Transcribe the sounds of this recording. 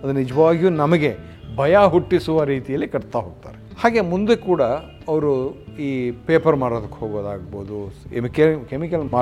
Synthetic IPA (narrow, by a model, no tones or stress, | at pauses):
ɐd̪unːid͡ʒɐʋaːɡijunɐmɐɡe̞ | bʱɐjaɦuʈːisuʋɐɾiːt̪ijɐlːikɐɽt̪aɦoːɡ̚t̪a̰ːɾehaːɡe̞mund̪ukuːɽɐ | ɐʋɐɾuiːpe̞ːpɐɾmaːɽoːd̪ɐkːhoːɡoːd̪aːɡɐboːd̪uemikkemikɐla